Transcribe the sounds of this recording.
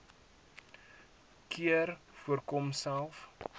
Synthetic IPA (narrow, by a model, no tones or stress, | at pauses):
kʰiərfuərkɔmsælˠf